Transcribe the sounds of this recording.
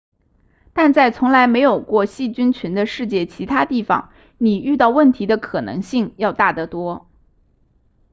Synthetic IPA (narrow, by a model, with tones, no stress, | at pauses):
t̪a˥˧nt͡sa˥˩ɪt͡sʰʊ˧˥ŋla˧˥ɪme˧˥ɪjo˨˩ʊkwɔ˥˧ɕi˥˩t͡ɕy˥nt͡ɕʰy˧˥nd̪ə˧ʂɻ̩˥˧t͡ɕjɛ˥˩t͡ɕʰi˧˥t̪ʰa˥t̪i˥˩fɑ̰˧˩˦ŋ | ni˨˩y˥˧t̪ɑ˥˧ʊwə˥˩nt̪ʰi˧˥d̪ə˧kʰɤ˨˩nɤ̰˧˥ŋɕi˥˩ŋjɑ˥˧ʊt̪a˥˩t̪ə˧˥t̪wɔ˥